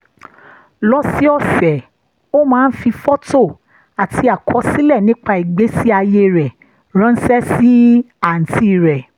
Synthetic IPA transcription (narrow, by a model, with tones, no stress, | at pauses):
lɔ˦si˦ɔ˦˨fɛ˨ | o˦mãː˦˧n̩˦fi˧fɔ˦to˦˨ | a˨tʰi˧˦a˨kʰɔ˧˦si˦lɛ˦˨nĩ˦k͡pa˧i˨ɡ͡be˨˦si˦a˧je˧ɾɛ˨ | ɾ̃ã˨˦n̩˦sɛ˦si˦ | a˨n̩˨ti˦˨ɾɛ˨